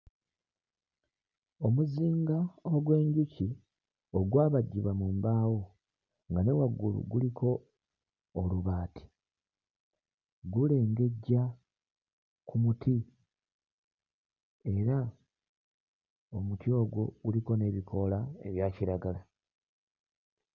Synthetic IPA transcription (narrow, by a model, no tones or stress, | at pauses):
o̞muziːŋɡaoɡwe̞ːɲɟuci | o̞ɡwaːβaɟːiβamuːmbaːwo̞ | ŋɡane̞waɡːulṵɡulikʰo̞ː | luβaːtʰi̥ | ɡule̞ːŋɡe̞ɟːa | kʰumuti | e̞ɾa | o̞mutjo̞ːɡwo̞ɡ̥uliko̞ne̞βikʰo̞lae̞̰βjaːciɾaɡala